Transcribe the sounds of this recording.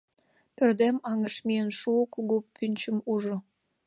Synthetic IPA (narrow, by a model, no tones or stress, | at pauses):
pørd̪emɑŋə̆ʃmijənʃukuɣupʰynʲt͡ɕəmuʒo